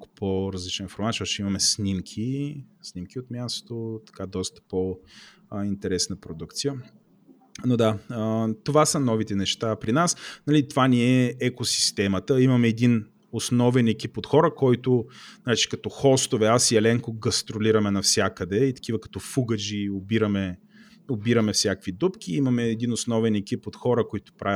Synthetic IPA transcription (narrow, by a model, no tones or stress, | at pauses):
kʊ̥pʰoɾɐzlit͡ʃnenfoɾmat̪t͡ʃɔt͡ʃɛimɐmɛsnimkʲʰisnimkiot̪mʲjast̪ot̪ɐ̥kad̪ɔst̪ə̥po | int̪ɛɾɛsnəpɾod̪ukt̪sijə | nod̪aət̪ovasənɔvit̪ɛnɛʃt̪apɾinasnɐlit̪ovaniɛɛkosi̥st̪ɛmət̪əimɐmɛːd̪in | osnɔvɛnɛkipot̪xɔɾəkɔjt̪ʊnɐɾɛt͡ʃi̥kɐt̪ɔxɔst̪ovɛasiɛlɛŋkʊɡɐst̪ɾoliɾɐmɛnɐfsʲjakəd̪ɛit̪ɐ̥k̟ivəkɐ̥t̪ɔfuɡəd͡ʒiobiɾɐmɛ | obiɾɐmɛfsʲjakvid̪upk̟ʲiimɐmɛːd̪inosnɔvɛnɛkʲipot̪xɔɾəkoit̪ʊ̥pɾʔav